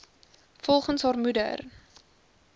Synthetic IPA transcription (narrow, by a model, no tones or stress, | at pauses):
fɔlˠχənsɦɑːrmudə̰r